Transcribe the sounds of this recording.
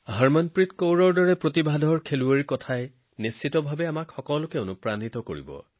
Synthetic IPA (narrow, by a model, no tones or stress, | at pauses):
haɹmɔnpɹitkowɹɔɹdɔɹɛpɹotibʱadʱɔɹkʰeluaɹikɔtʰaj | nisːitɔbʱabɛamakxɔkɔlʊkɛonupɹanitɔko̰ɹḭbɔ̰